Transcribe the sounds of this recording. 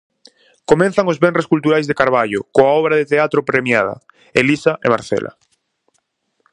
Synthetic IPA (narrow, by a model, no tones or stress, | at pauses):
komẽn̟θaŋozβɛnreskult̪uɾajzðekaɾβ̞aʎokoaɔβɾaðet̪eat̪ɾopɾemjað̞ɐ̰ | elisaʔemaɾθɛ̰lʔa̰